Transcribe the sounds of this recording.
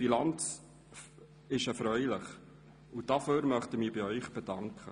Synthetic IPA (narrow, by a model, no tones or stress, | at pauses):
filɑnt͡s | ɪʃɛɾfɾœʏlɪχ | ud̥ɑføːɾmœχtəmiːbiœʏχb̥ɛd̥ɑŋkχə